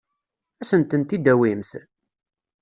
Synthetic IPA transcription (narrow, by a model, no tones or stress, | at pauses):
æsənt̪ənt̪id̪æwimθ